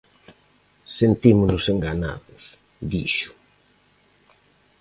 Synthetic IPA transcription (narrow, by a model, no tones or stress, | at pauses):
sent̪imʊnʊseŋɡana̰ðʊs | d̪iʃʊ̥